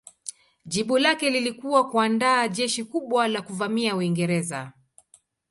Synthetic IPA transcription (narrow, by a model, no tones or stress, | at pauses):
ʄiɓulakɛlilikuwakuandaːʄɛʃikuɓwalakuvamiauiŋɡɛɾɛza